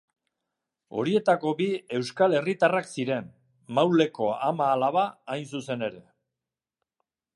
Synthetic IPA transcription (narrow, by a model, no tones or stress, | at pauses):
o̞̰ɾie̞t̪ako̞bie̞wskale̞rit̪araksiɾe̞n | mawle̞ko̞amaːlaβaːjnsuse̞ne̞ɾe̞